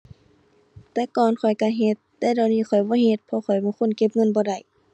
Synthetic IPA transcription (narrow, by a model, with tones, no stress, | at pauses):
t̪ɛː˧˥˦kɔː˧˨nkʰɔ˨˩jka˧ɦe˧t̪ːɛː˧˥˦da˧˩wniː˧˩˨kʰɔ˨˩jbɔː˧˦˨ɦe˧t̪̚pʰɔ˧˦xʰɔ˨˩jbɔː˧˦kʰo˧˥˨nke˧p̚ŋɤ˧˥˨nbɔː˧da˧˩˨j